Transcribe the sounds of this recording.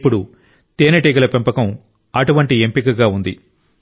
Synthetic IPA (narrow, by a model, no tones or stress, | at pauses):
pːuɽu | t̪eːnɐʈeːɡɐlɐpempɐkɐm | ɐʈuʋɐɳʈiempikɐɡaːund̪ḭ